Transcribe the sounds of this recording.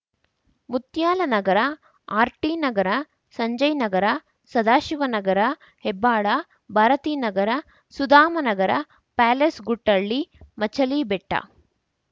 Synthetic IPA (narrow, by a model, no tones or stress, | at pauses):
mut̪jaːlɐnɐɡɐɾɐ | aːɾʈiːnɐɡɐɾɐ | sɐɲd͡ʒɐjnɐɡɐɾɐ | sɐd̪aːʃiʋɐnɐɡɐɾɐ | hebːaːɭɐ | bʱaːɾɐt̪iːnɐɡɐɾɐ | sud̪aːmɐnɐɡɐɾɐ | paːlesɡuʈːɐɭːimɐt͡ʃɐliːbɛʈːɐ̰